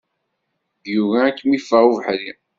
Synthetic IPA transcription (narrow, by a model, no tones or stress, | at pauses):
ðjuvæːkːmifːæʁuvħɾi